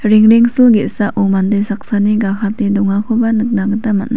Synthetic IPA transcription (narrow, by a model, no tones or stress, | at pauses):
ɾiŋɾiŋsɯlɡetsaʔʔumandejsak̚saniɡakʰatedɔŋakʰobanɯk̚naɡɯtamatna